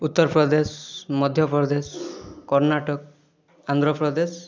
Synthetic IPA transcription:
ut̪ːɔɾpɾɔd̪esmɔd̪ʱjɔpɾɔd̪eskɔɾnaʈɔk̚ | and̪ɾɔpɾɔd̪es

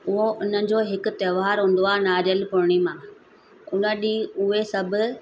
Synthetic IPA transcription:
ʊɦoʔʊn̤ənɪ̆d͡ʑoːɦɪkʊ̆t̪ɐːʋaːɾɦũːn̆d̪oaːnaːɾəlpʊɽɽ̃imãː | ʊnə̆ɗiʊɦesɐbʱʊ̆

